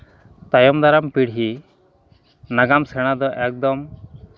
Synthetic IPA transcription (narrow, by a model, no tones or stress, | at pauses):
t̪ajɔmd̪aɾampiɽɦi | naɡamsɛɽ̃ad̪ɔʔɛk̚d̪ɔm